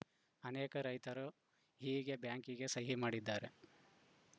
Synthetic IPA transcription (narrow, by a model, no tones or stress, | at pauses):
ɐneːkɐɾɐjt̪ɐɾu | ɦiːɡe̞bjaːŋkiɡe̞sɐɦimaːɽid̪ːaːɾe